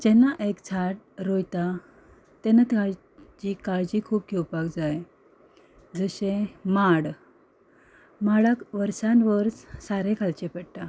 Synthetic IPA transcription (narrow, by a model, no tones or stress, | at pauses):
d͡ʑɛnːaʔekt͡sʰaʈ̚ | ɾojt̪a | t̪ɛnat̪aɭ | t͡ɕiːkaɭd͡ʑikʰuːp̚kʰewpakd͡zaj | d͡zəɕẽmaɽ | maɽakʋəɾsãnʋəɾssaɾẽkʰalt͡ɕepɛɽʈa